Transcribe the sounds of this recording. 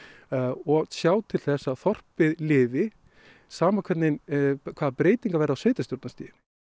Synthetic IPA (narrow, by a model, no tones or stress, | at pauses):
ɔɣsjaːwt̪ʰɪlθɛsːaðθɔr̥pɪðlɪːvɪ | saːmakʰvɛt̪nɪnkʰvaːðpɾeːjt̪iŋkavɛjɾawsveːjt̪ast̪jowɾt̪nast̪ḭːjɪn